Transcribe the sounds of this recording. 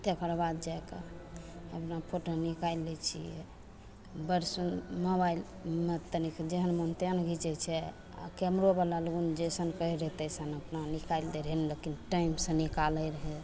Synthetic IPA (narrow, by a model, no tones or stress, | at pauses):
t̪epʰəɾbad̪d͡ʒakḛ | əpnapʰoʈonikajlːɛt͡ʃʰḭɛ̰ | bəɾsunmobail | met̪ənikd͡ʒeɦənmont̪eənɡʱit͡ʃɛt͡ʃʰɛ | a̰kɛmɾobalalɡund͡ʒesənkəiɾəɦt̪ɛsanəpnanikajld̪eɾɦɛnlekinʈaimsẽnikaləɾəɦɛ